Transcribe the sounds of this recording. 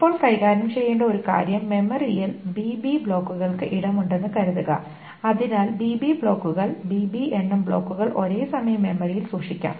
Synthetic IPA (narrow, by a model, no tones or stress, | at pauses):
pːo̞ːɭkɐjɣaːɾɐmt͡ɕe̞jːeːɳɖɐo̞ɾuka̰ːɾjɐmːe̞mɐrijilbiːbibɭo̞ːkːuɣɐɭkɨʔiɽɐmuɳɖe̞nːɨkɐɾuðuɣɐ̰ | ɐðinaːlbiːbibɭo̞ːkːuɣɐɭbiːbienːɐmbɭo̞ːkːuɣɐɭʔo̞ɾe̞ːsɐmɐjɐmːe̞mɐrijilsuːʂikʲːa̰m